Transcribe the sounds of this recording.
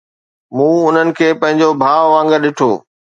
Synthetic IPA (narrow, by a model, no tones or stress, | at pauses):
mũːʊn̤ənɪ̆kʰeːpɐ̃ɦɪ̃ɲd͡ʑobʱaːʋʋãːŋɡəɾɗɪʈʰo̰ː